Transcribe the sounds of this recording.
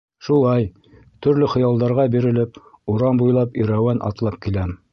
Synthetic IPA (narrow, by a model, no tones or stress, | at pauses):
ʃulˠɑj | t̪ɵ̆ɾlɘχɤ̆jɑlˠd̪ɑɾʁɑbiɾɘ̆lɘp | uɾɑmbujlˠɑpiɾæwænʔɑ̰t̪lˠɑp̚kilæm